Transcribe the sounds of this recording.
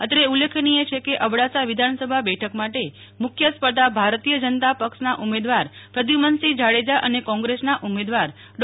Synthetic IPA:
ət̪ɾeulekʰniet͡ʃʰekeʔəbɽasaʋɪd̪ʱansəbʱabɛʈʰəkmaʈe | mʊkʰjəspəd̪abʱaɾt̪ijəd͡ʒənt̪apəkʂnaʔumed̪ʋaɾpɾəd̪ʱimənsid͡ʒaɽed͡ʒaʔənekɔ̃ŋɡɾesnaʔumed̪ʋaɾ | ɖ

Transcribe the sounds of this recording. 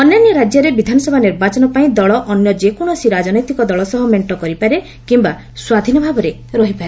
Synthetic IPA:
ɔnjɔnjɔɾad͡ʒjɔɾebid̪ʱanɔsɔbʱaniɾbat͡ʃɔnɔpaĩd̪ɔɭɔʔɔnjɔd͡ʒekɔɽ̃ɔsiɾad͡ʒɔnɔjt̪ikɔd̪ɔɭɔsɔɦɔmeɳʈɔkɔɾipaɾe | kimba | swad̪ʱinɔbʱabɔɾe | ɾɔɦipaɾe

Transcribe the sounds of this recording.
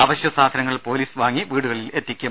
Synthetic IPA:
ɐʋɐɕjɐsaːd̪ʱɐnɐŋːɐɭpo̞ːliːsʋaːŋːiʋiːɽuɣɐɭile̞t̪ːikʲːu

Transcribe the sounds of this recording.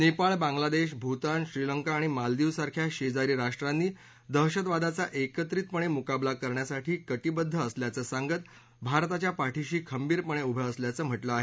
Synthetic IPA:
nepaɭbãŋɡlad̪eɕbʱut̪anɕɾiləŋkaːɽ̃imald̪iʋsaɾkʰjaɕed͡zaɾiːɾaʂʈɾanːiː | d̪əɦɕət̪ʋad̪at͡saʔekət̪ɾiːt̪̚pəɳ̃emukablakəɾɳjasaʈʰiːkəʈ̪ibəd̪ʱːəːsljat͡səːsãŋɡət̪ | bʱaɾt̪at͡ɕjapaʈʰiɕiːkʰəmbiːɾpəɳ̃eubʱəəsljat͡səːm̤əʈləaɦe

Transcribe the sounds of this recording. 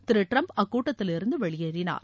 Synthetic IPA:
t̪ɪɾɪʈɾɐmɐkːuːʈːɐt̪ːɪlɪɾɯnd̪ɯʋɛɭɪjeːɾɪna̰ːɾ

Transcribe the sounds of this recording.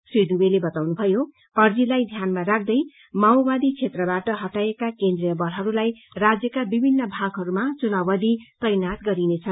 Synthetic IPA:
sid̪ubelebʌt̪awnubʱʌjo | ʌrd͡zilajd̪ʱjanmaɾak̚ʰd̪ʌj | mawbad̪it͡sʰet̪rʌbaʈʌɦʌʈaekakend̪rijʌbʌlɦʌɾulajrad͡zjʌkabibʱinːʌbʱaɡɦʌɾumat͡sunabʌd̪it̪ʌjnat̪ɡʌɾinet͡sʰʌn

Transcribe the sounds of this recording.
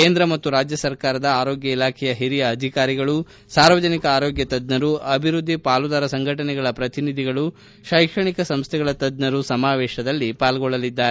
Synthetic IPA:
keːnd̪ɾɐmɐt̪ːuɾaːd͡ʒjɐsɐɾkaːɾɐd̪ɐaːɾoːɡjɐilaːkʰɛjɐɦiɾijɐːd̪ʱikaːɾiɡɐɭu | saːɾʋɐd͡ʒɐnikɐaːɾoːɡjɐt̪ɐd̪nɐɾuɐbʱiɾud̪ʱːipaːlud̪aːɾɐsɐŋɡʱɐʈɐnɛɡɐɭɐpɾɐt̪inid̪ʱiɡɐɭu | ʃajkʂɐɳikɐsɐmst̪ʰɛɣɐɭɐt̪ɐd̪nɐɾusɐmaːʋɛːʃɐd̪ɐlːipaːlɡɔɭːɐlid̪ːaːɾe

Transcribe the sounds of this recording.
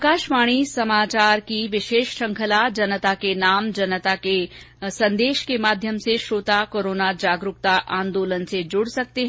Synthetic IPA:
kaːʃmaːɽ̃isɐmaːt͡ʃaːɾkiʋɪʃeːʃʃɐ̃ŋkʰəlad͡ʒɐnət̪akenaːmd͡ʒɐnət̪ake | sɐ̃nd̪eːʃkemaːd̪ʱjəmseʃɾoːt̪akoːɾoːnad͡ʒaːɡɾʊk̚t̪aʔãːnd̪oːlənsed͡ʒʊɽsɐk̚t̪eɦ

